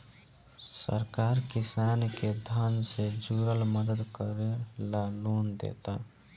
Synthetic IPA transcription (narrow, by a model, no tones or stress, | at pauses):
sə̰ɾkaɾkisanked̪ʱənsed͡ʒuɾəlməd̪əd̪kəɾelalund̪ḛt̪a